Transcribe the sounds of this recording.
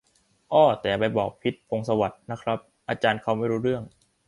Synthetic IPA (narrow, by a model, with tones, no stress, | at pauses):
ʔɔː˧˩t̪ɛː˨˩a˨˩pa˧jbɔː˨˩k̚pʰi˦˥t̪̚pʰo˧ŋsa˧wa˨˩t̪̚na˦˥kʰɾa˦˥p̚ʔaː˧t͡ɕaː˧nkʰa˧˥˩wma˥˩jɾuː˦˥ɾɯ˥˩əŋ